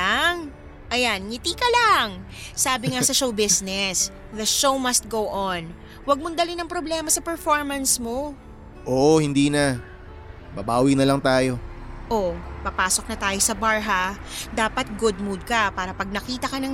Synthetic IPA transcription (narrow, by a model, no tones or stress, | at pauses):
aŋ | ʔɐjanŋɪt̪iːkɐlaŋ | saːbɪŋɐsɐʃowbɪsnɛs | ðɐʃowmɐst̪̚ɡowʔon | wɐɡ̚mond̪ɐlɪnɐŋpɾoblɛːmɐsɐpɛɹfoɹmɐnsmo | ʔoːʔohɪnd̪iːnɐ | bɐbaːwinɐlɐŋt̪aːjo̞ʔopɐpaːsok̚nɐt̪aːjo̞sɐbaɹɦad̪aːpɐt̪̚ɡʊd̪̚mud̪̚kɐpaːɾɐpɐɡ̚nɐkiːt̪ɐkɐnɐŋ